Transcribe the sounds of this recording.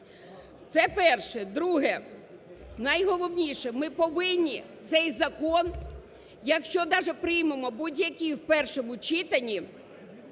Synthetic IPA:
t̪sɛpɛrʃɛd̪ɾuɦɛ | nɐjɦɔlˠɔwnʲiʃɛmɪpɔʋɪnʲːit̪sɛjzɐkɔn | jɐkʃt͡ʃɔd̪ɑʒɛpɾɪjmemɔbudʲjɐkʲiwpɛrʃɔmʊt͡ʃɪt̪ɐnʲi

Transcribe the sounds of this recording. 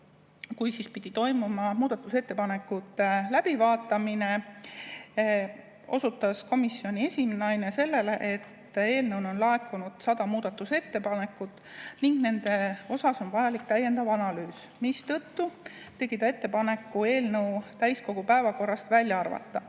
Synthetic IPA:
kujsispid̪̥it̪o̞jmumɑmuːd̪̥ɑt̪ːˑuse̞t̪ːe̞pɑne̞kːˑut̪ːˑelæb̥ivɑːt̪ːˑɑmine̞ | o̞sut̪ːˑɑsko̞misːjio̞nʲie̞sʲimenɑjne̞se̞lːe̞le̞ʔe̞t̪ːe̞ːlnɤwnonlɑekːˑunud̪̥sɑd̪̥ɑmuːd̪̥ɑt̪ːˑuse̞t̪ːe̞pɑne̞kːˑut̪ːˑ | niŋɡ̥ne̞nd̪e̞o̞sɑso̞nvɑjɑlikt̪æjːe̞nd̪̥ɑvɑnɑlyːsmist̪ɤt̪ːu | t̪e̞ɡ̥id̪ɑe̞t̪ːe̞pɑne̞kːue̞ːlnɤwt̪æjsko̞ɡ̥upæevɑko̞rːɑst̪vælʲjɑɑrvɑ̰t̪ːɑ

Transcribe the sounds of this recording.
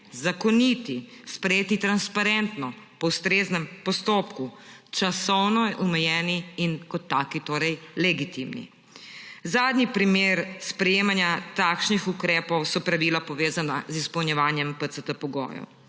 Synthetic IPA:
zakɔnit̪ispɾɛjeːt̪it̪ɾanspaɾɛnt̪nɔ | pɔwst̪ɾeːznɛmpɔst̪oːpkut͡ʃasɔwnɔʔɔmɛjɛːniːnkɔt̪ːaːkit̪oːɾɛjlɛɡit̪imnḭ | zaːd̪nipɾimeːɾspɾɛjeːmanjat̪akʃnixukɾɛːpɔwsɔpɾaʋiːlapɔʋeːzanazispɐwnjɛʋaːnjɛmpət̪sət̪əpɔɡɔ̰ːjɔ̰w

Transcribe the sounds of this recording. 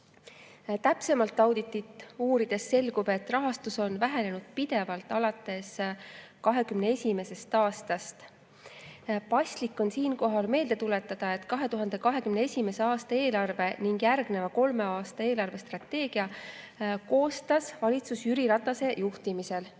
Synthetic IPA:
t̪æpse̞mɑlt̪ːˑɑwd̪it̪ːˑit̪ˑːuːɾid̪̥e̞sːe̞lɡ̥ub̥e̞t̪ːrɑɦɑst̪uso̞nvæɦe̞ne̞nud̪̥̚pid̪̥e̞vɑlt̪ːˑɑlɑt̪ːˑe̞skɑɦe̞kymne̞e̞sʲime̞se̞st̪ɑːst̪ɑst̪ | pɑsʲt̪likːˑo̞nsiːnko̞ɦɑlme̞ːld̪e̞t̪ule̞t̪ːˑɑd̪̥ɑe̞t̪ˑkɑɦe̞t̪uɦɑnd̪e̞kɑɦe̞kymne̞e̞sʲime̞se̞ɑːst̪ɑe̞ːlɑrve̞niŋɡjærɡ̥ne̞vɑko̞lme̞ɑːst̪ɑe̞ːlɑrve̞st̪rɑt̪ːe̞ːɡ̥iɑ | ko̞ːst̪ɑsvɑlʲit̪susyɾiɾɑt̪ːˑɑse̞juht̪imise̞l

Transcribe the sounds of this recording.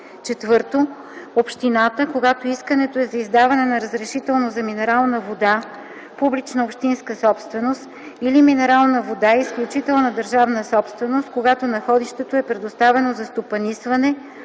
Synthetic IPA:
t͡ʃɛt̪vɤɾt̪o | opʃt̪inat̪əkoɡat̪oiskənɛt̪oɛzɐizd̪avɐnɛnɐɾəzɾɛʃit̪ɛlˠnozɐminɛɾalˠnəvod̪a | publit͡ʃnəopʃt̪inskəsɔpst̪vɛnost̪ | iliminɛɾalˠnəvod̪aɛisklʲut͡ʃit̪ɛlˠnəd̪əɾʒavnəsɔpst̪vɛnost̪̚koɡat̪onɐxɔd̪iʃt̪ɛt̪oɛpɾɛd̪ost̪avɛnozɐst̪opɐnisvɐnɛ

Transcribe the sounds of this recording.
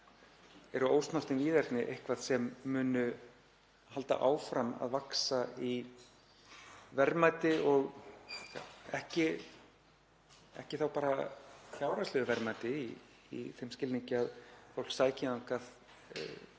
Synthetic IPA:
ɛɾʏoːwst̪nar̥t̪ɪnviːðɛɾt̪nɪʔejhkvaðsɛmːʏːnʏ | halt̪a̰ʔaːwfɾama̰ðvaksai | vɛɾmaːjt̪ɪɔɣ | ɛhcɪ | ɛ̰hcɪθawpaːɾaθjaːwɾaslʏðʏvɛɾmajt̪ɪi | ḭθejmscɪlniŋcɪaðfowlksaːjcɪðaŋkað̰

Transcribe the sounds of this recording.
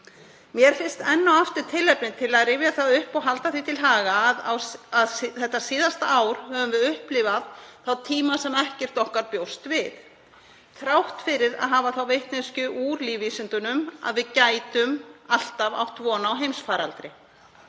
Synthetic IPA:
mjɛɾ̥fɪn̥st̪ɛnːawaft̪ʏɾt̪ʰɪlːɛpnɪt̪ʰɪlaðrɪːvjaθawʏhpɔɣɦalt̪aθit̪ʰɪlɦaːɣaðwaðθɛht̪ːasɪːðast̪aaːwɾ̥hœvʏmvɪðʏhplɪːvaðθawt̪ʰiːmasɛmɛhcɛr̥t̪ɔhkaɾpjowst̪vɪð | θɾawht̪fɪɾɪɾa̰ðɦaːvaθawvejht̪nɪnscʏʔuːɾlivisʏnt̪ʏnʏma̰ðvɪðcaːjt̪ʏmal̥t̪ava̰wt̪ʰvɔːnawɦejmsfaːɾalt̪ɾɪ

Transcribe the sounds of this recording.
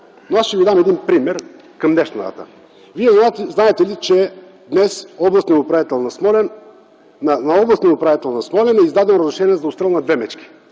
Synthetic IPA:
noasʃt̪ɛvid̪amɛd̪inpɾimɛɾ | kɐmnɛʃnɐd̪a̰t̪ə̰ | viɛzznaɛt̪ɛlit͡ʃɛ | d̪nɛsɔblˠɐst̪nɛʊpɾavit̪ɛlˠnɐsmɔlɛn | nɐnɐɔblˠɐst̪nɛʊpɾavit̪ɛlˠnɐsmɔlɛnɛizd̪ad̪ɛmɾəzɾɪʃɛniɛzɐʊst̪ɾɛlˠnɐd̪vɛmɛt͡ʃk̟i̥

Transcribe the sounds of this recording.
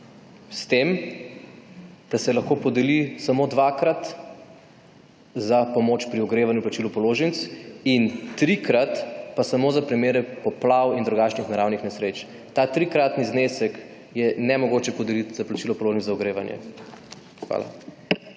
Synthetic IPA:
st̪em | d̪̥asɛlɐxkopɔd̪ɛlisamod̪ʋaːkɾat̪ | zapɔmoːt͡ʃpɾiɔɡɾeːʋanjuplat͡ʃilɔpɔloːʒənt̪sint̪ɾikɾat̪pasamoːzapɾimeːɾɛpɔplawind̪ɾuɡat͡ʃnixnaɾawnixnɛsɾet͡ʃ | t̪at̪ɾikɾat̪niznesɛk | jɛnɛmɔɡoːt͡ʃɛpɔd̪ɛlit̪zaplat͡ʃilɔpɔloːʒnit͡s̪zaɔɡɾeːʋanjɛ̰ | xʋa̰la̰

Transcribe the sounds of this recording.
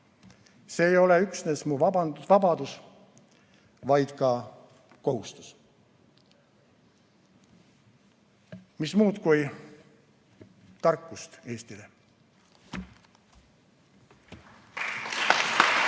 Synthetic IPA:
se̞ːjo̞le̞yksne̞smuvɑbɑnvɑbɑd̪us | vɑjd̪̥kɑ | ko̞hust̪u̥s | mismuːd̪kuj | t̪ɑrkːˑust̪e̞ːst̪ile̞

